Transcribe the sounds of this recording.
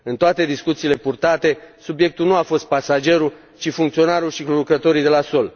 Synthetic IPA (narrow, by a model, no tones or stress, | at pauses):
ɨnt̪oat̪e̞d̪iskut̪siːle̞purt̪at̪e̞subje̞k̚t̪ulnuafo̞st̪̚pasad͡ʒe̞ɾu | t͡ʃifuŋkt̪sio̞naɾulʃikulukɾət̪o̞ɾid̪e̞laso̞l